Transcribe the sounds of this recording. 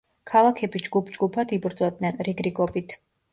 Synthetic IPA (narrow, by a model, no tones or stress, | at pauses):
kʰalˠakʰɛbid͡ʒɡupʰd͡ʒɡupʰad̪ibɾd̪zʼɔbd̪nɛnɾiɡɾiɡʼɔbit̪ʰ